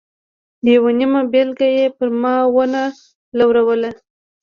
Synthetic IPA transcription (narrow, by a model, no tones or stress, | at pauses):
d̪jawanimabelɡajepəɾmɑwəna | lawɾawəla